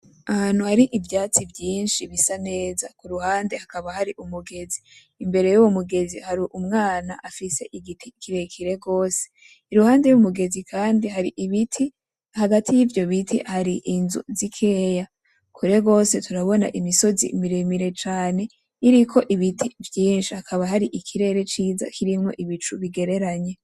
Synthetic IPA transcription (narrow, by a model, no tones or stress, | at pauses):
ahan̥huhaɾiʔivjaːt͡sibjiːnʃiβisane̞ːzakuɾuhaːnde̞hakaβahaɾiʔumuɡe̞ziː | mbe̞ɾe̞juwumuɡe̞zihaɾiʔumŋaːnaʔafise̞ʔiɡitʰikʰiɾekʰiɾe̞ɡo̞ːse | iɾuhaːnde̞jumuɡe̞zikʰaːndiɦaɾiʔiβitʰi | haɡatijivjo̞βitʰḭhaɾiʔinzṵzikʰe̞ːja | kʰuɾe̞ɡo̞ːse̞tuɾaβo̞na̰ʔimiso̞zḭmiɾemiɾe̞t͡ʃaːne̞ | iɾikʰo̞ʔiβitʰivjiːnʃiakʰaβaɦaɾiʔikʰiɾe̞ɾe̞t͡ʃiːza̰kʰiɾimŋo̞̰ʔiβit͡ʃuβiɡe̞ɾe̞ɾaɲe̞